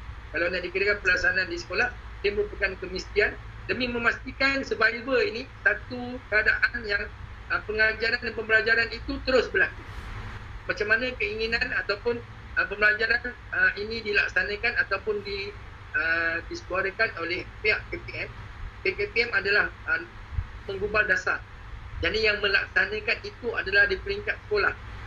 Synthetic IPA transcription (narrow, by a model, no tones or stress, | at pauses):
kalawnaʔdikədakanpəlasanãndisə̥kolah | dəbupəkankəmist̪ian | dəmĩmə̃mast̪ikansəbaibəinisat̪ukəadaʔanjaŋ | əpəŋad͡ʒaɾandanpəmbəlad͡ʒaɾanit̪ut̪əɾʊsbəlaku | mãt͡ʃamːanãkəiŋinãnat̪awpʊn | əpəmbəlad͡ʒaɾan | əinĩdila̰k̚sanãkanat̪awpʊndi | ədisəkuaɾəkanolɛhpeaʔkepeɛmpepepiɛmadalahə | mə̃ŋɡubaldasar | d͡ʒadijaŋmə̃laksanãkanit̪uadalahdipəɾiŋkat̪̚sə̥kolah